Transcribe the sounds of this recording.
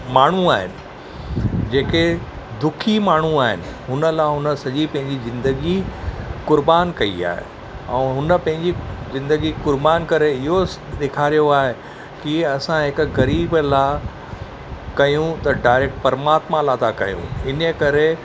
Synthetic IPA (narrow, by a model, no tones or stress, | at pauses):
maːɳ̤uaːɦɪ̰nɪ̆ | d͡ʑeːke | d̪ʊkʰimaːɳ̤uaːɦɪ̰nɪ̆ɦʊnə̆laɦʊnəsɐʄipɐ̃ɦɪ̃ɲd͡ʑizɪ̃nd̪əɡikʊɾbaːnkɐḭa̰ːɦḛ | ɛ̰̃ːɦʊnəpɐ̃ɦɪ̃ɲd͡ʑizɪ̃nd̪əɡikʊɾbaːnkɐɾeɪɦoɗeːkʰaːɾijoaːɦe | kiɐsãɦɪkɣɐɾiːblaː | kɐjũt̪ɐɖaːɪɾek̚ʈpɐɾmaːt̪mãlaːt̪ʰakɐɦjṵ̃ɪnəkɐɾe